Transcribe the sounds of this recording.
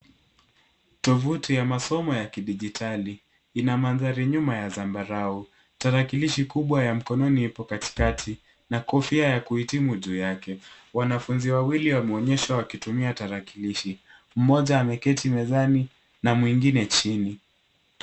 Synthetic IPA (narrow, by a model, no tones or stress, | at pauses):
tɔvutijamasɔmɔjakiɗiʄitʰali | inamanðaɾiɲumajazambaɾau | taɾakiliʃikuɓwajam̩kɔnɔniipɔkati̥katʰi | nakɔfiajakuhitimuʄuːjakɛ | wanafunziwawiliwamɛɔɲɛʃawakitumiataɾakiliʃi | m̩mɔʄaːmɛkɛtʰimɛzani | namwiŋɡinɛt͡ʃini